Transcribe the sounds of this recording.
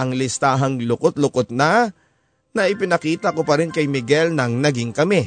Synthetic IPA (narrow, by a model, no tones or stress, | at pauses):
ʔɐŋlɪst̪aːɦɐŋlʊkot̪̚lʊkot̪̚na | nɐʔɪpɪnɐkiːt̪ɐkopɐɾɪnkɐjmɪɡɛlnɐŋnɐɡɪŋkɐmɛ